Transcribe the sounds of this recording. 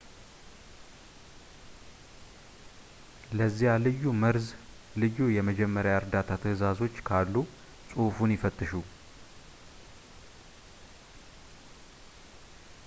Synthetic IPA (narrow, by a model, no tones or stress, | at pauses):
ləzːijalɨjːuməɾz | lɨjːujɛməd͡ʒɛmːəɾjaəɾd̪at̪ʰat̪ʰəhɨzazo̞t͡ʃːkʰalːu | sʼufunjɪfət̪ʼːɨʃu